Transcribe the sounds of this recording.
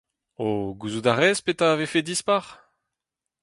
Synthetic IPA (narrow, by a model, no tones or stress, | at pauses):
oɡuzud̪aʁɛzpet̪avefed̪ispaʁ